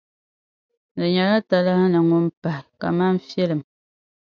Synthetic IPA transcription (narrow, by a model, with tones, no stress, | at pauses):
nɨ˨ɲa˨la˦ta˨la˦hnɨ˨ŋo˦m˦pa˨hka̰˨ma˦n̩˦fɛ˦lɨ˨m